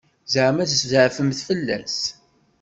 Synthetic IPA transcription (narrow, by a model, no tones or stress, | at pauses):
zʕmæzszʕfəmθfəlːæ̰s